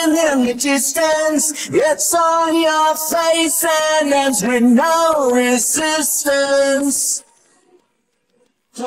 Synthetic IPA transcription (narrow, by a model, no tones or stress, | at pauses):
nð̃mɨd͡ʒɪstəns | ɡɛtsn̩jə˞feɪsɨnəzɹɨnoʊɹɪzɪstəns